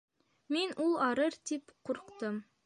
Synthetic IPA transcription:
menulˠɑɾɤɾt̪ipqʰuɾqt̪əm

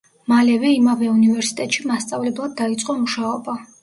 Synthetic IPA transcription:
malɛvɛimavɛunivɛɾsi̥t̪ʼɛt̪ʼʃimast̪sʼavlɛblˠad̪̚ːait̪sʼqʼɔmuʃaɔba

